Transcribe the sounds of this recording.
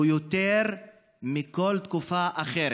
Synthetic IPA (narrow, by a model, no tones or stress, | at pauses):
jot̪eʁ | miko̞lt̪kufaʔaχeɾ